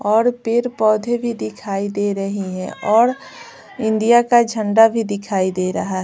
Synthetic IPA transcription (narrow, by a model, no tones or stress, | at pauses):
ɔːɾpʰɪɾpɔːd̪ʱebʱid̪ɪkʰaːid̪eːɾɐɦiɦɛ̃ɔːɾ | ɪ̃nd̪ijakad͡ʒʱə̃ɳɖabʱid̪ɪkʰaːid̪eːɾɐɦaɦɛ